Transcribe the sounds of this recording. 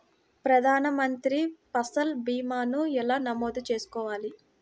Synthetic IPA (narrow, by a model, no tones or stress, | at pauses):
pɾɐd̪ʱaːnɐmɐnt̪ɾipɐsɐlbiːmaːnuɛlaːnɐmoːd̪ut͡ʃe̞ːsu̥kɔːʋaːli